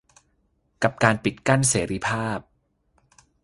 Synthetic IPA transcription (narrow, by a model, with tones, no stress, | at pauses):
ka˨˩p̚kaː˧npi˨˩t̪̚ka˥˩nseː˩˦ɾi˧pʰaː˥˩p̚